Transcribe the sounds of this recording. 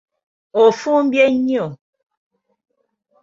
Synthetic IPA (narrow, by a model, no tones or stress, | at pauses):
ofum̩bjeɲio